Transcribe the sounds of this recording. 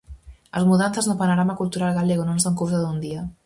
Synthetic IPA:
əlˠzmuðanθəzðəlpənoɾamakulˠt̪uɾalˠɣaleɣononzəŋkuwzəðund̪iə

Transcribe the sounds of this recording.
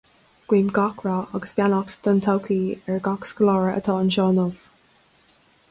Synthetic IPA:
ɡ̥wiːmɡɔkʰɹaɑɡəsb̥janɔt̪d̪̥ənt̪ʰawkʰiːɛɹɡɔksɡlɔːɹəə̰t̪ʰɑːənʃɔːnɔv̥

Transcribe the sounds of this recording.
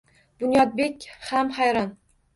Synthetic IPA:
b̥ʊnjɒd̪̚bekʲhamhajɾɒn

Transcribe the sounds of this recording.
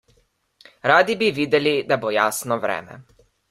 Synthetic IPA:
ɾaːd̪ibiʋiːd̪ɛlid̪abojaːsnɔʋɾɛ̰ːmɛ̰

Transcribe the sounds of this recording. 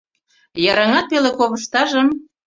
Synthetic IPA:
jɑɾɑŋɑt̪̚pelekoβə̆ʃt̪ɑʒə̆m

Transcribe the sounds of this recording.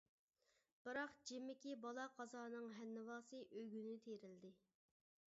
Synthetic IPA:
b̥ɨɾɑqd͡ʒemːɪkʲibɑlˠɑqʰɑzɑːnɨŋɦɛnːɨwɑːsɨʔøjɡʲynɪt̪ʰeɾɪld̪ɪ

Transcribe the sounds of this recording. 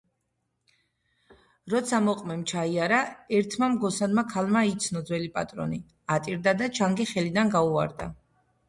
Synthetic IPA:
ɾɔt̪sʰamɔqʼmɛmt͡ʃʰaiaɾaɛɾt̪ʰmamɡɔsanmakʰalmait̪sʰnɔd̪zwɛlipʼat̪ʼɾɔ̰ni | at̪ʼiɾd̪ad̪at͡ʃʰaŋɡɛχɛlid̪anɡaua̰ɾd̪a̰

